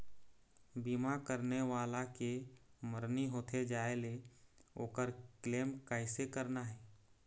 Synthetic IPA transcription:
biːmakəɾneʋaːlakeməɾniɦoːt̪ʰed͡ʒaːeleoːkəɾkleːmkəɪsekəɾnaɦɛː

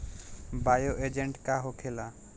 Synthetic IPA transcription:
bajoʔed͡ʒeɳʈkaɦokʰela

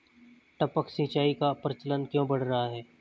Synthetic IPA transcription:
ʈɐpəksĩːt͡ʃaːikapɾət͡ʃələnkjõːbɐɽ̤ɾɐɦaɦɛː

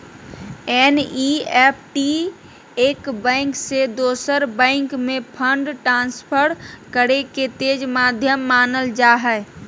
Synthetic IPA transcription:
ɛniɛːpʰʈi | eːkbɛ̃ɪ̃ŋksed̪oːsəɾbɛ̃ɪŋkmẽpʰə̃ɳɖʈɾãːnspʰəɾkəɾeket̪eːd͡ʒmad̪ʱjəmːaːnəld͡ʒaːɦɛ

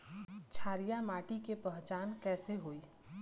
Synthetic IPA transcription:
t͡ʃʰaːɾijamaːʈikepəɦt͡ʃaːnkɛːseɦoːi

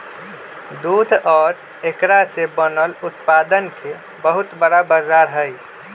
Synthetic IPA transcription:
d̪uːd̪ʱɔːɾ | ekɾasebənəlʊt̪paːd̪ənke | bəɦʊt̪bəɽabaːzaːɾɦəi

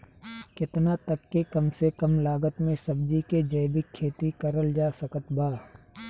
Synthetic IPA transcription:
kɪt̪nat̪ɐkːekɐmsekɐmlaːɡət̪mẽsɐbd͡ʒiked͡ʒɐjbɪkʰːeːt̪ikɐɾəld͡ʒaːsɐkət̪baː

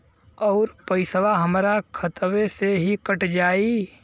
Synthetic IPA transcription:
ɔːɾpəɪsʋaɦəmɾakʰət̪ʋeseɦikəʈd͡ʒaːi

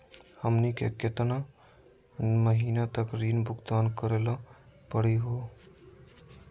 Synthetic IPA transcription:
həmnikḛket̪na | məɦinat̪əkɾinbʱuɡd̪ankəɾelɔpəɽiɦo

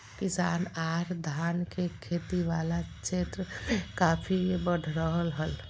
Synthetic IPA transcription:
kɪsaːnaːɾd̪ʱaːnkekʰeːt̪iʋaːlat͡ʃʰeːt̪ɾəkaːpʰibəɖʱɾəɦəlɦəl

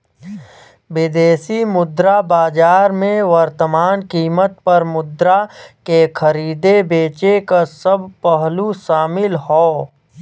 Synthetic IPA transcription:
bɪd̪eːsimʊd̪ɾabaːd͡ʒaːɾmẽʋəɾt̪əmaːnkiːmət̪̚pɐɾmʊd̪ɾakekʰəɾiːd̪ebeːt͡ʃekasəbʱpəɦluʃaːmɪlɦoː

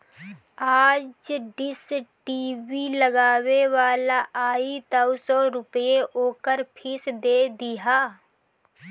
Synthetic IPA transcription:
aːd͡ʒɖɪsʈiːwiləɡaːweʋaːlaʔaːit̪ɐwsɔɾʊpəeʔoːkəɾpʰɪsd̪eːd̪ɪɦaː

